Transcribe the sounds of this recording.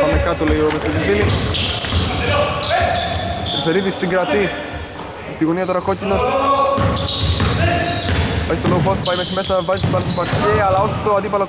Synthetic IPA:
ɐmekɐt̪olejomest̪oðizvili | ɾθeɾit̪isːiŋɡɾɐt̪i | pt̪iɣoniɐt̪oɾɐkocinos | eçit̪oloɣopospɐjmesimesɐɐvɐzist̪ivɐlspɐceɐlɐoso̥st̪oɐd̪ipɐlo

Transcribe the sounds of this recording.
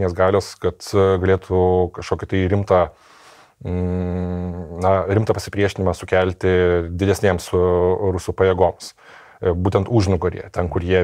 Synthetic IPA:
nʲeːsɡɑːlʲoːskɐt̪ɡɐlʲeːt̪ʰʊkɐʃkoːkʲɪt̪ɐɪɾʲɪmt̪ɑː | nɐɾɪmt̪ɑːpɐsʲɪpʲɾʲiɛʃʲɪnʲɪmɐsʊkʲælʲt̪ʲɪd̪ʲɪd̪ʲɛsʲnʲeːmsʊɾʊsuːpɐjɛːɡoːms | buːt̪ʲɛnt̪uːʒʲnʊɡɐɾʲḭɛt̪ʲɛnkʊrjiɛ

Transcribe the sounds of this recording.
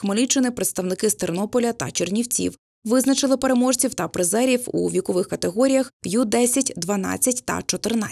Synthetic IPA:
xmɔlʲit͡ʃːɪnɪpɾet̪st̪ɐwnɪkɪst̪ernɔpɔlʲɐt̪ɐ̰t͡ʃernʲiwt͡sʲḭw | ʋɪznɐt͡ʃɪlˠɪpeɾemɔʒt͡sʲiwt̪ɐpɾɪzɛɾʲiwṵʋʲikɔʋɪxkɐt̪eɦɔɾʲijɐxjud̪ɛsʲɐtʲd̪ʋɐnɑ̰t͡sʲːɐtʲt̪ɐ̰t͡ʃɔt̪ɪrna

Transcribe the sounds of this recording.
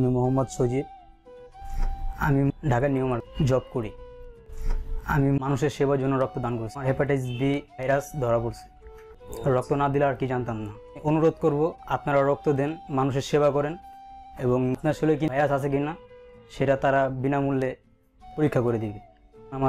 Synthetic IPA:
mimoɦɔmːɔd̪ʃod͡ʑib̚ | amiɖʱakaniomaɾd͡ʑɔb̚koɾi | a̰mimanuʃeɾʃebaɾd͡ʑonːoɾɔk̚t̪od̪ankoɾsʰiaɾɦɛpaʈajsbibʱajɾasd̪ʱɔɾapoɾsʰi̥ | ɾɔk̚t̪onad̪ilaaɾkid͡ʑant̪amna | ʔonuɾod̪koɾboapnaɾaɾɔk̚t̪od̪ɛnmanuʃ̬eɾʃeβakɔɾeneboŋpnaʃelojk̬ijɾasasʰeɡinaʃeʈat̪aɾabinamulːe | poɾikʰːakoɾed̪ibi | ama

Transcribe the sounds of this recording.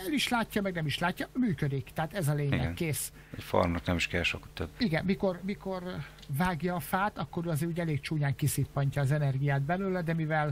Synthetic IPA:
ɛliʃlaːcːɒmɛɡnɛmiʃlaːcːɒmyːkød̪ikt̪ɛɦaːt̪ɛzɒleːɲɛknkːeːs | ɛcfo̰rmnoknɛmiʃkɛlʃo̰kːt̪øbiɡɛnmiko̞rmiko̞r | vaːɡjɒːfaːt̪ɒkːo̞ɾøːɒzeːɾuːɟɛleːkt͡ʃuːɲaːŋkisipːɒɲcɒːzɛnɛrɡijaːd̪̚bɛløːlɛd̪ɛmivɛl

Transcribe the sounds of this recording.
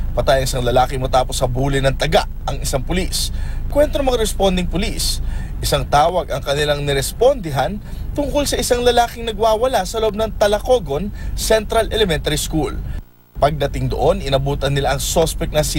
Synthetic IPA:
pɐt̪ajɐŋɪsaŋlɐlaːkɪŋmɐt̪aːposɐbuːlɪnɐŋt̪ɐɡa̰ʔɐŋɪsaŋpʊliskwɛnt̪ɾomɐŋaɾɛspond̪ɪŋpʊlis | ʔɪsaŋt̪aːwɐɡɐŋkɐnɪlaŋnɛɾɛspond̪ɪɦɐn | t̪ʊŋkʊlsɐʔɪsaŋlɐlaːkɪŋnɐɡwaːwɐlasɐloʔob̚nɐŋt̪ɐlɐkoɡonsɛnt̪ɾɐlɛlɛmɛnt̪ɐɾiskul | pɐɡ̚d̪ɐt̪ɪŋd̪o̰ʔo̞nɪnɐbuːt̪ɐnːɪlaʔɐŋsospɛk̚nɐsɪ

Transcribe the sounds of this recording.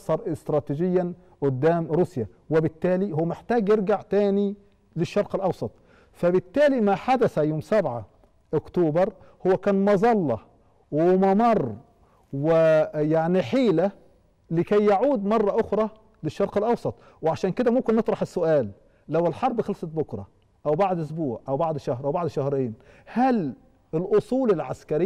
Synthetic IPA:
sˤɑɾˤɪst̪ɾˤɑːt̪id͡ʒɪjːan | ʔʊd̪ːaːmɾuːsja | wɪbɪt̪ːæːlihʊwːæmɪħt̪æːɡjɪɾɡaʕt̪æːni | lɪʃːɑɾˤqɪlʔɑwsˤɑt̪ˤ | fæbɪt̪ːæːlimaħad̪æθæjoːmsabʕa̰ | ʔʊkt̪uːbɑɾˤ | hʊwːækæːnmɑzˤɑlːɑ | wɪmɑmɑrˤː | wɪjaʕniħiːla | lɪkæjːaʕuːd̪mɑrˤːɑʔʊxɾˤɑ | lɪʃːɑɾqɪlʔɑwsˤɑt̪ˤ | wɪʕaʃæːnkɪd̪æmʊmkɪnːɨt̪ˤɾˤɑħɪsːʊʔæːlː | awɪlħɑɾˤbxɑlsˤɑt̪̚bʊkɾˤɑ | ʔawbaʕd̪ʔʊsbuːʕʔawbaʕd̪ʃahɾʔawbaʕd̪ʃahɾeːnhæl | ɪlʔʊsˤuːlɪlʕa̰skaɾɪ

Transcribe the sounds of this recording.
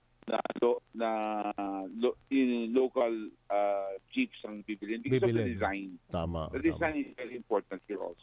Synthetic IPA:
nɐ̰lonɐ | loɪnlokɐlat͡ʃifsɐŋbibɪlɪnbɪksɔd̪ɪzajnt̪amad̪ɐd̪ɪzajnɪsvɛɾiɪ̃mpɔɹt̪ɐ̃nt̪fɔɹʔɔ̰lso

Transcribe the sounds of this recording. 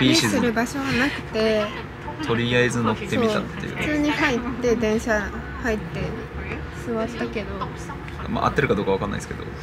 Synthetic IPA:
bʲiɕisɨɾɯ̟baɕo̞ɡanakɯ̟̥t̪e̞ | t̪o̞ɾʲiaezɨnokt̪ːeomit̪at̪ːejɯ̰̥t͡sɨːɲ̟ihait̪ːe̞d̪ẽ̞ɰ̃ɕa | hait̪ːe̞ | sɨβatt̪ːake̞d̪o̞ | ma̰ʔa̰t̪ːeɾɯ̟kad̪okoaβakãnːa̰isɨ̥ked̪o̞̰

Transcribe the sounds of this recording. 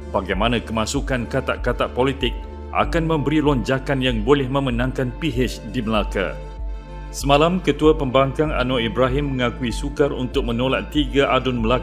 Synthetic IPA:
b̥aɡajmãnãkəmãsukankat̪aʔkat̪aʔpolit̪ɪk̚ | ʔa̰kanmə̃mbəɾilɔɲd͡ʒakanjaŋbolɛhmə̃mənãŋkanpiɦɪt͡ʃdiməlaka̰ | səmãlamkət̪uapəmbaŋkaŋa̰noibɾaɦɪmːə̃ŋãkuisukarṵnt̪ʊk̚mə̃nolat̪t̪ːiɡaʔadʊnməla

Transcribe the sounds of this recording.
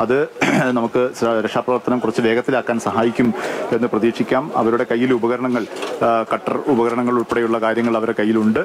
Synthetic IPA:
ɐðɨnɐmukːɨɾekʂaːpːrɐʋɐrt̪ɐnɐmkurɐt͡ɕːɨle̞ːɡɐt̪ːilaːkːaːnsɐɦaːjikʲːume̞nːɨprɐðiːkʂikʲːaːmɐ̰ʋɐɾuɽe̞kɐjːilubɐɣɐɾɐɳɐŋːɐɭkɐʈːɐrubɐɣɐɾɐɳɐŋːɐɭuɭpeɽejuɭːɐkaːɾjɐŋːɐɭɐʋɐɾɽekɐjːiluɳɖɨ

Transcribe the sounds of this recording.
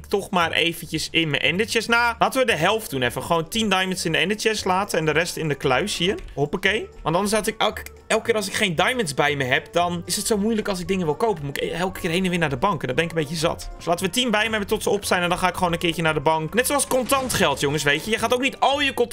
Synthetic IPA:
ɪktoxmaːrʔḛːfənjəsɪnmə̰ʔɛ̰ndətəsnalaːtənʋədəɦɛlˠft̚d̥unɛfəχʋoːntindajmənsɪndəɛndətjəslaːtəɛndəɾɛstɪndəklaɥshiənɦopəkejʋɑ̃ntɔndərsɔsɪkɛlk | ɛlˠkɪːrɾɔls̬ɪkxejndajmənsbɛjməɦɛpdɔnɪsətsomujləkɔlˠsɪɡ̚dɪŋənʋɪlˠkowpənmuɪkɛlˠkəkɪːrɦejnənʋɪːnaːrdəbɑŋkɛndɔbɛnɪkəmbejtəzɑ̰tdslˠaːtənʋətinbɛjməɦɛbəntɔtsəopstajnɛndɔnxaːɪkχʋoːnənkɪːjənaːrdəbɑŋknɛtsoɑlˠskɔntɑntχɛlˠtjʊŋəsʋejtjəjəxaːtowk̚nitɔlˠjəkon

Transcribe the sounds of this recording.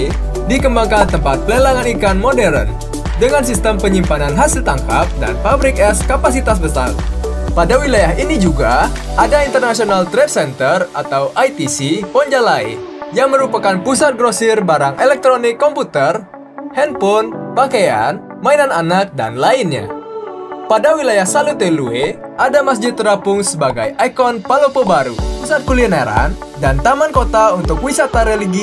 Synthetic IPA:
dikəmbaŋkant̪əmpat̪̚pələlaŋanikanmodɛɾə̰n | dəŋans̬ist̪əmpəɲimpananɦasilt̪aŋkap̚da̰nfabɾɪkɛskapas̬it̪as̬bəsa̰rpadawilajaɦinid͡ʒuɡaʔadaint̪ərnasionalt̪ɾɛd̚sɛnt̪ərat̪awʔajt̪isipɔɲd͡ʒalaḭjaŋməɾupakanpusat̪̚ɡɾosirbaɾaŋʔɛlɛk̚t̪ɾonɪkːɔmput̪ər | hɛnpɔnpakaja̰n | mainananak̚da̰nlainɲa̰ | padawilajahsalut̪ɛlue | adamas̬d͡ʒɪt̪ːɾapʊŋsəbaɡa̰jʔajkɔnpalopobaɾṵpusat̪̚kulinaɾa̰ndant̪amankot̪aunt̪ʊkwisat̪aɾɛliɡi

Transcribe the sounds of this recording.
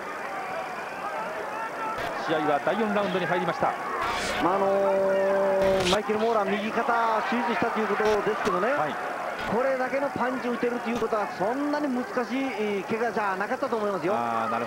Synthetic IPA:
ɕiaiβad̪aijõ̞nɾaɯ̃nd̪oɲiɦaiɾʲimaɕi̥t̪a̰ | maːno̞ | maikeɾɯmo̞ːɾamʲiɡʲikat̪aɕiizɨɕit̪at̪o̞jiɯ̟ko̞t̪o̞d̪e̞sɨ̥ke̞d̪o̞ne̞ai | kʰo̞ɾe̞d̪ake̞no̞pãɲ̟t͡ɕiɯ̟t̪e̞ɾɯ̟t̪ojɯko̞t̪o̞ɡasõ̞nːaɲ̟imɯ̟zɨ̥kaɕiːke̞ɡad͡ʑaːnakat̪ːat̪oːmoimas̬ɨjonaɾɯ

